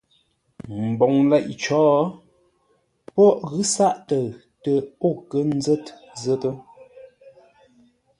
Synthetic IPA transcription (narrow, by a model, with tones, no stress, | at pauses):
m̩˨bɔ˨ŋlɛ˦˨ʔt͡ʃɔː˨˦ | pɔ˦˨ʔɣʉ˦sa˦˨ʔtə˨ | tə˨o˦˨kə˦n̩˦zə˦t | zə˦tə˦